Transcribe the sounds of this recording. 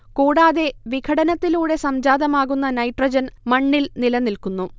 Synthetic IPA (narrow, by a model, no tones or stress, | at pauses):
kuːɽaːðe̞ʋikʰɐɽɐnɐt̪ːiluːɽe̞sɐmd͡ʑaːd̪ɐmaːɣunːɐnɐjʈrɐd͡ʑɐnmɐɳːilnilɐnilkunːu